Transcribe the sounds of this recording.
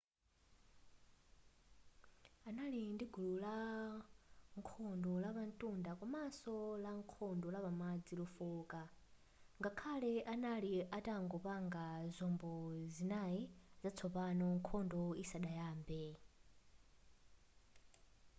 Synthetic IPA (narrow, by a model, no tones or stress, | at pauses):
analindiɡʱulula | ŋkʰɔndɔlaβantʼundakwamasɔlaŋkʰɔndɔlapamad͡zilufuːka | ŋɡakʰalɛʔanaliʔataŋɡɔpaŋɡazʷɔmbɔzinaiz̥at͡sʰɔpanɔŋkʰɔndɔisaɗajaːmbɛ